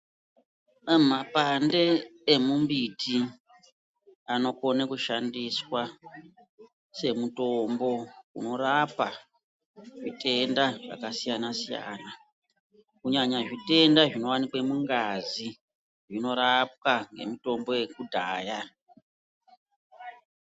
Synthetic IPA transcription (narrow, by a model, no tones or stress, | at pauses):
mapande̞ːmumbiti | ano̞ko̞nekuʃandiswa | se̞muto̞mbo̞kṵno̞rapa | ʐite̞ndaʐa̰kasijanasija̰ːna | kuɲaɲaʐite̞ndaʐino̞wanikwemuŋɡazi | ʐino̞ɾap̚waŋɡe̞̰mito̞mbo̞je̞kudʱaːja